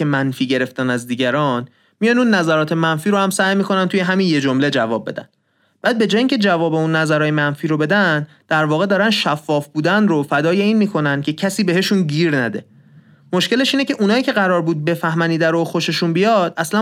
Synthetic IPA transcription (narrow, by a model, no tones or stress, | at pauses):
emænfiːɟe̞ɾe̞ft̪ænæzd̪iːɟæɾɒːn | mijɒnunːæzæɾɒːt̪ʰe̞mænfiːɾohæmsæjmiːkʰo̞nænt̪ujeɦæminje̞d͡ʒomle̞d͡ʒævɒːb̚be̞̰d̪æ̰n | b̥æːd̪̚be̞d͡ʒɒːjiːŋcʰe̞d͡ʒævɒːbe̞unːæzæɾɒːjemænfiːɾobe̞d̪æn | d̪̥æɾvɒːɣe̞d̪ɒːɾænʃæfːɒːfbuːd̪ænɾofæd̪ɒːje̞iːnmiːkʰo̞nænd̪̚cʰe̞cʰæsiːbe̞ɦe̞ʃunɟiːɾnæd̪e̞̰ | mo̞ʃkce̞le̞ʃiːnecʰe̞ʔunɒːiːcʰe̞ɣæɾɒːɾbuːd̪̚be̞fæhmæniːd̪æɾoxo̞ʃeʃunbijɒd̪̥æslæ